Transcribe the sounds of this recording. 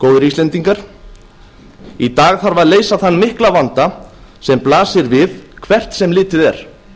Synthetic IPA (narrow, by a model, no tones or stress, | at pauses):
koːwðʏɾislɛnt̪iŋkaɾ̥ | it̪aːɣθaɾvaðleːjsaθanːmɪhklavant̪a | sɛmplaːsɪɾvɪðkʰvɛr̥t̪sɛmlɪːt̪ɪðɛɾ̥